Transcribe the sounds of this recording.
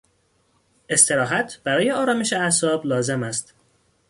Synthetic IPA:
e̞st̪ʰe̞ɾɒːɦæt̪ʰb̥æɾɒːjeɒːɾɒːme̞ʃeæsɒːblɒːze̞mæst̪

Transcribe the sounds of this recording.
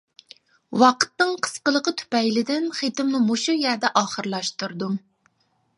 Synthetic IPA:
wɑqʰə̥t̪nɨŋqʰə̥sqəlˠəqət̪ʰy̥pɛjlɪd̪ɪnχet̪ɪmnɪmoʃujæɾd̪ɛʔɑːχəɾlˠɑʃt̪uɾd̪um

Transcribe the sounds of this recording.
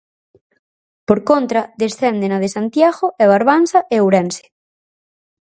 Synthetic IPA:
poɾkont̪ɾaðesθɛnd̪enaðesant̪jaɣoʔeβaɾβansaʔeowɾɛnse̥

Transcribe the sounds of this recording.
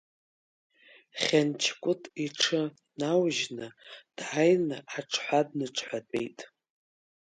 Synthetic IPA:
χʲant͡ʃʰkʷʼʊtʼiʈ͡ʂʰɨ | nawʒnɨd̥ʕajnɨaʈ͡ʂʰħʷad̚nɨʈ͡ʂʰʼħʷatʼḛjtʼ

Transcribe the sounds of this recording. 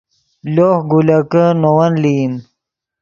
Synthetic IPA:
loxɡulakənowanlin

